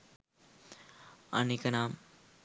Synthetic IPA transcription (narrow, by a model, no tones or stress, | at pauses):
a̰nikɐnaːm